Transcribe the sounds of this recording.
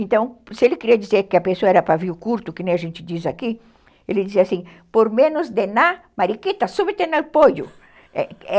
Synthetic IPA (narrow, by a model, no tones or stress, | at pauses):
ẽnt̪ɐ̃w̃sɪelɪkiɾiɐd̪izeɾkɪɐpesoɐɛɾɐpɾaviʊkuɾt̪ʊkɪnẽj̃ɐʒẽnt͡ʃ̪ɪd̪izaki | elɪd̪iziɐasĩ | poɾmẽnʊzd̪ena | maɾikit̪ɐsubɪt̪enapojʊ̰ | ɛ̰ɛ